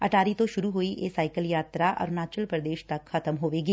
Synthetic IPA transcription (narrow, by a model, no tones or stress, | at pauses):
ɐʈʰaːɾit̪õʃʊɾuɦoːiʔeːsaːɪkəljaːt̪ɾaʔɔ̰ːɾnaːt͡ʃəlpɾəd̪eːʃt̪ɐkxʰɐt̪əmɦoːʋeːɡiː